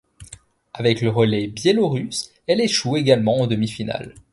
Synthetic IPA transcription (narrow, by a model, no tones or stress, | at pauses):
avɛkləʁəlɛbjeloʁys | ɛleʃueɡalmɑ̃ɑ̃d̪əmifina̰l